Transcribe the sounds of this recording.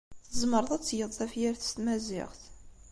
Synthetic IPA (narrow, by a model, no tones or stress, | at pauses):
θəzməɾˤðˤæt͡sːjəðˤθæfjæɾθə̥st̪mæzɪ̰ʁθ